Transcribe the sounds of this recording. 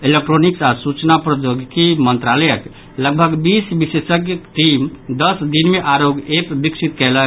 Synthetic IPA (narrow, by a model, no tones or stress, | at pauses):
ilek̚ʈɾoniksasut͡ʃnapɾəd͡ʒoɡkimənt̪ɾaləjək | ləɡ̚bʱəɡbisbisesəkjəkʈimd̪əsd̪inmeʔaɾoɡepbiksit̪kɛlə